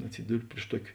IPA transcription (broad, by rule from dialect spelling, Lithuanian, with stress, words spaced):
ɐtʲˈsʲɪdʊrʲɪ pʲrʲɪʃ ˈtuɔkʲɪ